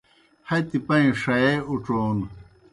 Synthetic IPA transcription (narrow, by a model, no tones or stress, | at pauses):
hɐt̪ipɐĩʂɐeuʈ͡ʂoːn